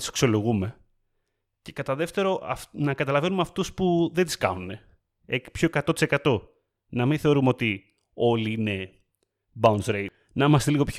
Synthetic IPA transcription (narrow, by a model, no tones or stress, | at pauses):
t̪i̥se̥ksolo̞ɣume̞ | ce̞kɐt̪ɐðe̞ft̪e̞ɾo̞ʔɐnɐkɐt̪ɐlɐvenumɐft̪uspuðe̞nd̪iskɐ̰nune̞ | epço̞ekɐt̪o̞t̪isekɐt̪o̞ | nɐminθe̞o̞ɾumeo̞t̪i | o̞liine̞ | baunzɾe | nɐimɐst̪eliɣo̞pç